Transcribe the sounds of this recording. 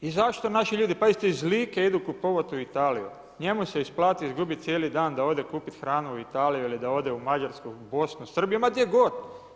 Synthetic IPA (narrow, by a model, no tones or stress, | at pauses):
izaʃt̪onaʃiʎuːd̪ipaist̪oizlikeid̪ukupo̞ʋat̪uit̪aːlijṵ | ɲe̞muse̞isplˠaːt̪iizɡubit̪t̪sjeːlid̪aːnd̪ao̞d̪ekuːpit̪xɾaːnuuit̪aːlijuilid̪ao̞d̪eumad͡ʑaɾskobo̞snusr̩bijomad̪ʲjeɡo̞d̪